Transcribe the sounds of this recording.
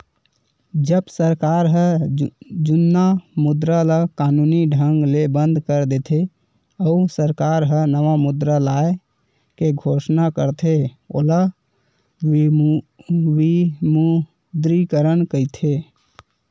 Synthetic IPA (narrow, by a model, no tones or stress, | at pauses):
d͡ʒəbsəɾkaɾɦə | d͡ʒunːamud̪ɾalakanuniɖʱəŋɡlebənd̪ʱkəɾd̪et̪ʰe | əusəɾkaɾɦənəʋamud̪ɾəlae | keɡʱosnakəɾt̪ʰe | ola | wimu | d̪ɾikəɾənkəɪt̪ʰe